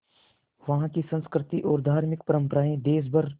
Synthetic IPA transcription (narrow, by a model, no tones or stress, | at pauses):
ʋɐɦãkisə̃nskɾɪt̪iʔɔːɾd̪ʱaːɾmɪkpəɾə̃mpəɾaːẽd̪eːs̬bʱəɾ